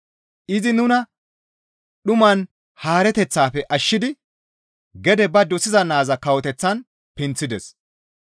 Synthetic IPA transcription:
ʔɪzɪnʊnɐ | ɗʊmɐn | haːɾɛt̪ɛt͡sːaːfɛʔɐʃːɪd̪ɪ | ɡɛd̪ɛbɐd̪ɔsɪzɐnaːzɐkɐwɔt̪ɛt͡sːɐn | pɪnt͡sːɪd̪ɛs

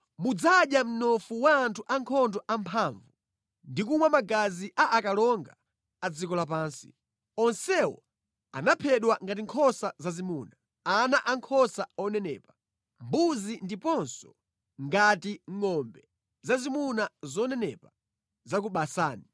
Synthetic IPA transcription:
mud͡zaɗjam̩nɔfuwaːntʰuʔaŋkʰɔndɔʔampʰaɱvu | ndikumwamaɡaziʔaʔakalɔŋɡa | ad͡zikɔlap̬aːnsi̥̰ | ɔnsɛwɔ̰ | a̰napʰɛɗwaŋɡat̬iŋkʰɔsazazimuːna | anaʔaŋkʰɔsaɔnɛnɛ̰ːpa | mbuzindipɔnsɔ | ŋɡatiŋɔmbɛ | zazimunazɔnɛnɛpa | zakuɓasaːni

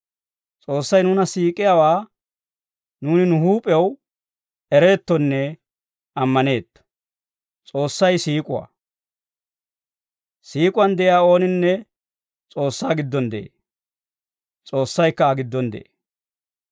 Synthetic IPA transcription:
t͡sʼo̞ːsːɐjnʊnɐsiːkʼːɪjawaː | nuːnɪnʊɦuːpʼɛw | ɛɾe̞ːt̪ːɔnːɛ | ʔɐmːɐne̞ːt̪ː | t͡sʼo̞ːsːɐjsiːkʼʊwa̰ | siːkʼʊwɐnd̪ɛʔɪjaːo̞ːnɪnːɛ | t͡sʼo̞ːsːaːɡɪd̪ːɔnd̪ɛʔḛː | t͡sʼo̞ːsːɐjkːɐːɡɪd̪ːɔnd̪ɛ̰ʔeː

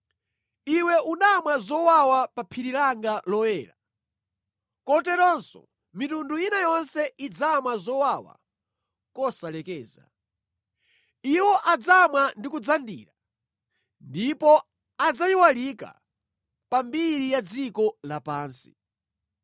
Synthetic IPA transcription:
iwɛunamwazɔwawapapʰiɾiɾaŋɡalɔjɛːɾa | kɔtɛɾɔnsɔ̰ | mitunduinajɔnsɛʔid͡zamwazɔwawa̰ | kɔsalɛkɛːza̰ | iwɔʔad͡zamwandikud͡zandḭːɾa | ndipɔ | ad͡zajiwalika̰ | pambiɾijad͡zikɔlapaːnsi̥̰

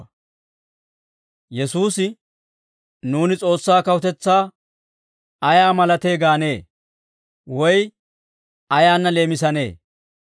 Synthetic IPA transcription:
jɛsuːsɪ | nuːnɪt͡sʼo̞ːsːaːkɐwʊt̪ɛt͡sːaː | ɐjaːmɐlɐt̪e̞ːɡaːne̞ː | wɔj | ɐjaːnːɐle̞ːmɪs̬ɐne̞̰ː

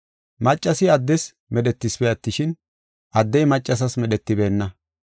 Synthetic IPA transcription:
mɐt͡ʃʼːɐsɪɐd̪ːɛs | mɛɗɛt̪ːɪsbɛjɐt̪ːɪʃɪn | ʔɐd̪ːɛjmɐt͡ʃʼːɐs̬ɐsmɛɗɛt̪ːɪbe̞ːnːɐ

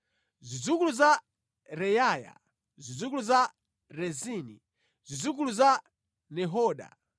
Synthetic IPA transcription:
zid͡zuk̬uluza | ɾɛjaːja̰ | zid͡zuk̬uluza | ɾɛziːnḭ | zid͡zuk̬uluza | nɛɦɔːɗa̰

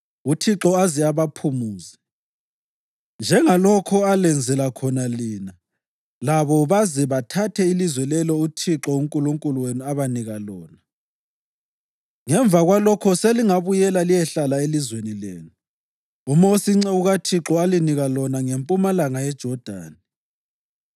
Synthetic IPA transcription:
utʰiǁɔazɛaβapʰumuːzɛ | nd͡ʒʱɛŋalɔkʰɔalɛnd͡zʱɛlakʰɔnaliːna | laβɔβazɛβatʰatʰɛilizwɛlɛlɔutʰiǁɔuŋkʼuluŋkʼuluwenuaβaniɣalɔːna | ŋɛɱvaɣwalɔkʰɔseliŋaβujɛlalijɛɬalaelizwenileːnu | umɔsiŋ͡ǀɛuɣatʰiǁɔaliniɣalɔnaŋempʼumalaŋajɛd̥ʒ̥ʱɔd̥ʱa̰ːni

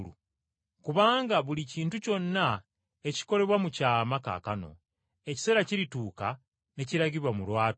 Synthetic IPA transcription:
lṵ | kuβaːŋɡaβuliciːntuco̞nːa | e̞ci̥ko̞ɾe̞βwamucaːmaka̰kano̞̰ | e̞ci̥se̞ːɾaciɾituːka | ne̞ciɾaɟiβwamulwaːt

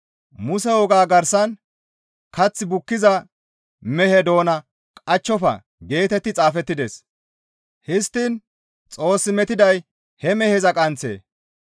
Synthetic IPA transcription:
mʊsɛwɔɡaːɡɐɾsɐn | kɐt͡sːɪbʊkːɪzɐ | mɛhɛd̪o̞ːnɐ | kʼɐt͡ʃːɔfɐ̰ | ɡe̞ːt̪ɛt̪ːɪt͡sʼaːfɛt̪ːɪd̪es | hɪst̪ːin | t͡sʼo̞ːsːɪmɛt̪ɪd̪ɐj | hɛmɛhɛzɐkʼɐnt͡sḛː

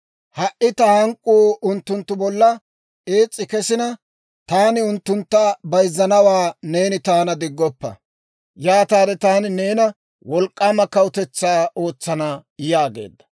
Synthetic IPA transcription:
hɐʔɪt̪ɐhɐŋkʼːuːʊnt̪ːʊnt̪ːʊbɔlːɐ | eːt͡sʼːɪkɛsɪnɐ | t̪aːnɪʊnt̪ːʊnt̪ːɐbɐjzːɐnɐwaːne̞ːnɪt̪aːnɐd̪ɪɡːɔpːɐ̰ | jaːt̪aːd̪ɛt̪aːnɪne̞ːnɐ | wɔlkʼːaːmɐkɐwʊt̪ɛt͡sːaːo̞ːt͡sːɐnajaːɡe̞̰ːd̪ːɐ̥

